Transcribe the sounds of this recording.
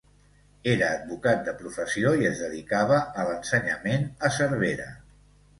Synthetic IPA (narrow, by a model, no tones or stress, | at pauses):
eɾəːd̪̚bukat̪̚d̪əpɾufəsioiəzðəðikaβ̞əːlənsəɲəmenəsəɾβ̞eɾə̰